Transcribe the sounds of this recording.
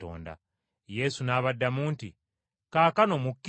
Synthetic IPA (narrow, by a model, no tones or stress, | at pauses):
o̰ːnda̰ | je̞sunaːβadːamuːnti | kaːkano̞mukː